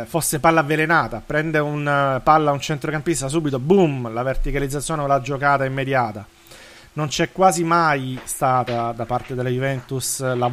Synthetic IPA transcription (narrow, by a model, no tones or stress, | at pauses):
fosːepalːavːelenaːt̪apɾɛnd̪eunpalːaunt͡ʃɛnt̪ɾokampist̪as̬uːbit̪obumlavert̪ikalid̪zːat̪sːjoːneolːad͡ʒːokaːt̪aimːed̪jaːt̪a | nont͡ʃɛkːwaːzimajst̪aːt̪ad̪apart̪ed̪elːajuvɛnt̪usla